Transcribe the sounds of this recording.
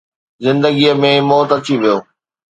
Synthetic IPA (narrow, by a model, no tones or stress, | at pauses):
zɪ̃nd̪əɡijəmẽmɔːt̪ɐt͡ɕʰiʋijoː